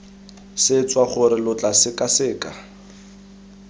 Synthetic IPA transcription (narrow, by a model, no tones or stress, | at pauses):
sɪt͡sʼwaχʊɾɪlʊt͡ɬʼasɪkʼasɪːkʼa